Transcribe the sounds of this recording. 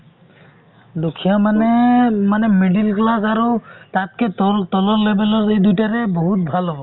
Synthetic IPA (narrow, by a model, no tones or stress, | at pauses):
dukʰijamanɛmanɛmeɖilklasaɹutat̚kɛttɔlɔlebɛlɔɹejdujtaɹɛboɦut̚bʱalɦɔbɔ